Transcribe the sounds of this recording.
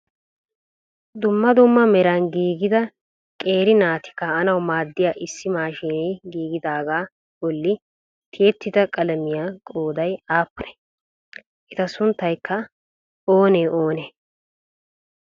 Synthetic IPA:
d̪ʊmːɐd̪ʊmːɐmɛɾɐnɡiːɡɪd̪ɐ | kʼeːɾɪnaːt̪ɪ̥kːɐɐnɐwmaːd̪ːɪjaːʔɪsːɪmaːʃeːneɡiːɡɪd̪aːɡaː | bɔlːɪ | t̪ʰɪjɛt̪ːɪd̪ɐkʼɐlɐmɪjaːkʼoːd̪ɐjaːpːʊɾɛ̥ | ʔɪt̪ɐsʊnt̪ːɐjkːɐ | oːneːʔoːneː

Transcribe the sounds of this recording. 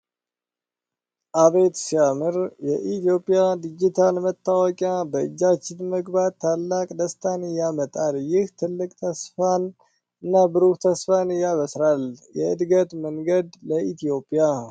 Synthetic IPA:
ʔaβe̞t̪siamɨɾjɛʔit̪jo̞pʼːijad̪id͡ʒit̪ʰalmət̪ːawɔkʼjabəɨd͡ʒːat͡ʃːɪnməɡbad̪̚t̪ʰːalːakʼd̪əst̪ʰanɨjamət̪ʼaljɪht̪ʰɨlːɨkʼt̪ʰəsfan | ɨnːabɨɾukt̪ʰəsfanɨjːaβəsɾaljɛɨd̪ɡət̪məŋɡəd̪ləit̪ijo̞pʼːija

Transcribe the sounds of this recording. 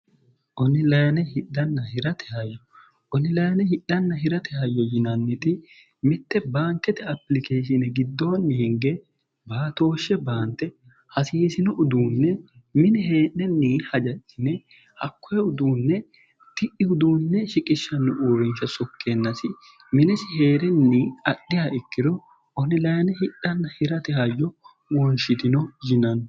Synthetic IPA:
ʔɔnɪlɐjɐnɛhɪɗːɐnːɐhɪɾɐt̪ʰɛ̥hɐjːɔ | ʔɔnɪlɐjɐnɛhɪɗːɐnːɐɦɪɾɐt̪ʰɛhɐjːɔjɪnɐnːɪt̪ɪ | mɪt̪ːɛbaːŋkːɛt̪ɛɐpːlɪkeːʃɪnɛɡɪd̪ːoːnːɪhɪŋɡɛ | baːt̪o̞ːʃːɛbaːnt̪ːɛ | hɐsiːsɪnɔʔʊd̪uːnːɛ | mɪnɛheːʔɛnːiːhɐd͡ʒɐt͡ʃːɪnɛ | hɐkːɔjɛʊd̪uːnːɛ | t̪ɪʔɪʊd̪uːnːɛʃɪkʼɪʃːɐnːʊʔuːɾɪnʃɐsɔkʰːeːnːɐsɪ | mɪnɛsɪheːɾɛnːiːɐɗːɪjɐɪkːɪɾɔ | ɔnɪlɐjɐnɛhɪɗːɐnːɐhɪɾɐt̪ɛhɐjːɔ | wɔnʃɪt̪ɪnɔd͡ʒɪnɐn

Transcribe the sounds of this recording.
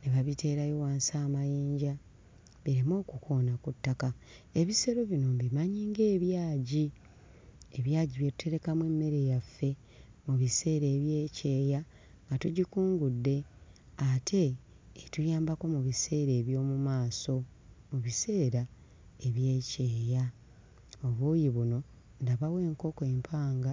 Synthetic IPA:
neβaβitʰe̞ːɾajo̞waːnsaːmajeːɲɟa | βiɾimo̞ːkukʰoːnakutːakae̞βise̞ɾo̞βino̞mbimaɲiːŋɡe̞ːβjaːɟi | eβjaːɟiβjetu̥tʰe̞ɾe̞kamwe̞mːe̞ɾe̞jafːe̞ | muβise̞ːɾe̞ːβje̞ːce̞ːja | ŋɡatuɟikuːŋɡudːe̞ | atʰe̞ː | tujaːmbako̞muβise̞ːɾe̞ːβjo̞ːmumaːso̞ | muβise̞ːɾa | e̞βje̞ːce̞ːja | oβujiβuno̞ | ndaβawe̞ːŋko̞koe̞mpʰaːŋɡa

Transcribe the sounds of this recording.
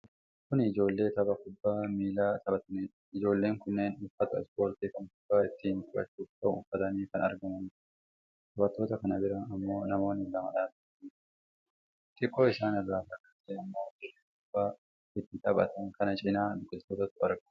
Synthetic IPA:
kʊnɪd͡ʒo̞ːlːe̞ːt̪ɐbɐkʊbːaːmiːlaːt̪ɐbɐt̪ɐniː | ɪd͡ʒo̞ːlːe̞ːŋkʊnːeːnʊfːɐt̪ɐɛ̰spo̞ːɾt̪iːkɐŋkʊb̥ːaːɪt̪ːiːnt̪ʼɐbɐ̰t͡ʃːuːkbɐʊ̰fːɐt̪ɐniːkɐnɐ̰ɾɡɐmɐni | t̪ɐbɐt̪ːo̞ːt̪ɐkɐnɐbɪɾɐɐmːo̞ːnɐmo̞ːnːɪlɐmɐ̰ᶑaːdɐniː | t̪ʼɪkʼːo̞ːɪsaːnɐrːaːt̪ɐkːɐseːɐmːo̞ːdɪɾekʊb̥ːaː | ɪt̪ːɪt̪ɐbɐ̰t̪ɐnkɐnɐt͡ʃʼɪnaːdʊkʼːɪt̪oːt̪ɐt̪ːʊɐɾɡɐ

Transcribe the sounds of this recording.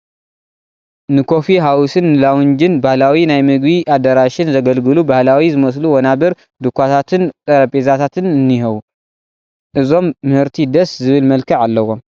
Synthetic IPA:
nɨkʰo̞fiɦawusɨnːɨlawʊnd͡ʒɪnbahlawinajmɨɡbiʔad̪ɐɾaʃɪnzɐɡɐlɡɨlubahlawizɨmɐs̬luwɐnabɐɾ | d̪ɨkʰʷːat̪ʰat̪ʰɨnt̪ʼɐɾɐpʼezat̪ʰat̪ʰɨnɨnːihɐwu | ʔɨzo̞mːɨhɨɾt̪ʰid̪ɐszɨβɨlmɐlkʰɐʕalːɐwom

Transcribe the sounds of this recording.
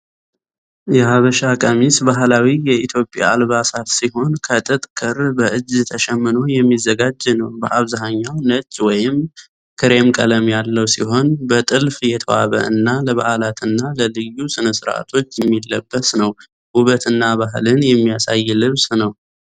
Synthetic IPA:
jɛhaβəʃakʼəmisbaɦlawijɛit̪ʰjo̞pʼja̰ːlβasat̪siɦo̞nkʰət̪ʼɨt̪ʼkʰɨɾbəʔɨd͡ʒːt̪ʰəʃɛmːɨno̞jɛmːizːəɡad͡ʒːnəwbəʔaβzaɦaɲːawnət͡ʃʼːwɔjɪm | kʰɨɾe̞mkʼələmjalːəwsiɦo̞nbət̪ʼɨlfjɛt̪ʰəwa̰βə̰ʔɨnːaləβa̰hlat̪ʰɨnːaləlɨjːusɨnəsɨɾa̰t̪ʰo̞t͡ʃːjɛmːilːəbːəsnəw | huβət̪ɨnːaβaɦlɨnjɛmːijasajːlɨβsnəw

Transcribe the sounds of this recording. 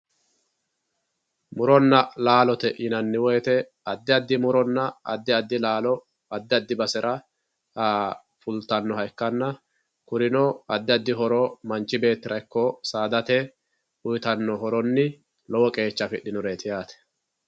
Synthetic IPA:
mʊɾɔnːɐlaːlɔt̪ɛʔɪnɐnːɪwɔjt̪ɛ | ɐd̪ːɪɐd̪ːɪmʊɾɔnːɐɐ̰d̪ːɪɐd̪ːɪlaːlɔ | ɐd̪ːɪɐd̪ːɪbɐsɛɾʔɐ | a | fʊlt̪ɐnːɔɦɐjkːɐnːɐ | kʊɾɪnɔɐd̪ːɪɐd̪ːɪɦɔɾoːmɐnt͡ʃːɪbe̞ːt̪ːɪɾɐjkːɔsaːd̪ɐt̪ɛ | ʊjt̪ɐnːɔɦɔɾɔnːɪ | lɔwɔkʼe̞ːt͡ʃːɐfɪɗɪnʊɾet̪ɪjaːt̪ɛ̥

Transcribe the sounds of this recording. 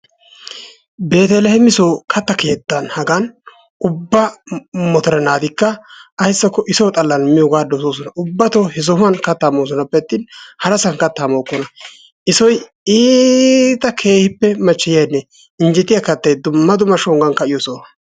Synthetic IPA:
be̞ːt̪ɛlɛhɛmɪsoːkʰɐt̪ːɐkʰe̞ːt̪ːɐnhɐɡɐn | ʊbːɐmɔt̪ɔɾɛnaːd̪ɪkːɐːjsːɐkːɔʔɪsɔwt̪ʼɐlːɐnmɪjɔɡaːd̪ɔsoːs̬ɔnɐʔʊbːɐt̪ohɛz̬ɔhmɐnkɐt̪ːaːmoːs̬ɔnɐpːɛt̪ːɪnhɐɾɐsɐnkɐt̪ːaːmoːkːɔnɐ | ʔɪsɔj | iːt̪ɐkʰe̞ːhɪpːɛmɐt͡ʃːɪjɐjnːɛ | ɪnd͡ʒɛt̪ːɪjɐkɐt̪ːɐjd̪ʊmːɐd̪ʊmɐʃɔŋɡɐnkɐɪjɔsoː

